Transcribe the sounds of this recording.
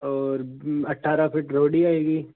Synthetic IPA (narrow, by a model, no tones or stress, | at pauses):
ɔːɾɐʈʰːaːɾapʰɪʈɾoːɽiaːeːɡiː